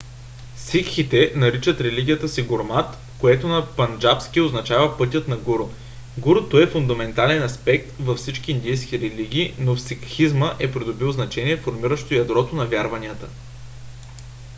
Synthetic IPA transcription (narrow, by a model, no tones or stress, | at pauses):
sikxit̪ɛnɐɾit͡ʃət̪ɾɛliɡʲijət̪əsiɡʊɾmat̪ | koɛt̪onɐpɐnd͡ʒapskʲioznɐt͡ʃavəpɤt̪̬ʲət̪nɐɡuɾo | ɡuɾʊt̪oɛfʊnd̪ɐmɛnt̪alɛnɐspɛk̚t̪vɐfsit͡ʃk̟ʲiːnd̪ijsk̟ʲiɾɛliɡ̟ʲiːnofsikxizməʔɛpɾid̪obilˠznɐt͡ʃɛnʲiɛfoɾmiɾəʃt̪ojɐd̪ɾɔt̪onɐvʲjaɾvɐniət̪ə